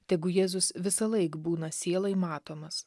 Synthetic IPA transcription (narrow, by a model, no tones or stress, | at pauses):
t̪ʲɛɪɡʊjeːzʊsʋʲɪsɐlˠɐɪkbuːnɐsʲeːlˠɐɪmɑːt̪oːmɐs